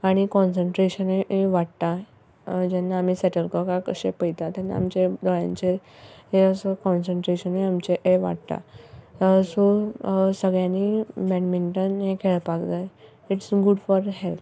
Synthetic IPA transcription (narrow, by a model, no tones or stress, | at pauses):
aɽ̃ikɔnsəɳʈɾeɕəneeʋaɽt̪a | d͡ʑɛnːaːm̤iːsɛʈəlkəkãkəɕepəjt̪at̪jɛnːa̰ːmt͡ɕed̪ɔɭjã̰ɲt͡ɕeɦeəsəkɔ̃nsəɳʈɾeɕəneamt͡ɕeʔeʋa̰ɽt̪a̰ | sosəɡɭjãnibɛnmiɳʈənɦekʰeɭpakt̪əj | iʈsɡuɖfɔɾɦelp